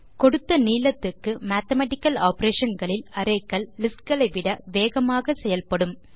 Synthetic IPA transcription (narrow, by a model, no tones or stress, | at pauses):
kɔɽɯt̪ːɐniːlɐt̪ːɪkːɯmaːt̪ɐmɐːʈɪkːɐlaːpɐɾeːʂɐnɡɐɭɪlɐɾɐɪkːɐɭːɪskɡɐɭɐɪʋɪɽɐʋeːɣɐmaːɣɐsɛjɐlpɐɽɯm